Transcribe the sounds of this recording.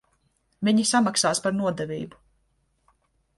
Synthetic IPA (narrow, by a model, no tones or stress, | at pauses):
vʲiɲisamaksaːspaɾnuɔd̪ɛvʲḭːbu̥